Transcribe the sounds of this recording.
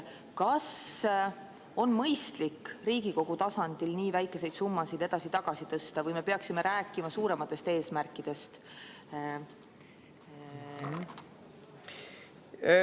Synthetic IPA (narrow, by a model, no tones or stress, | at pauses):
kɑs | o̞nmɤjst̪likːɾiːɡ̥iko̞ɡ̥ut̪ɑsɑnd̪̥ilniːvæjkːˑe̞se̞jd̪̥sumːɑsid̪̥e̞d̪̥ɑsit̪ɑɡ̥ɑsit̪ɤst̪ɑvɤjme̞pe̞ɑksime̞ɾæːkːˑimɑsuːɾe̞mɑt̪ːˑe̞st̪e̞ːsmærkˑːid̪̥e̞st̪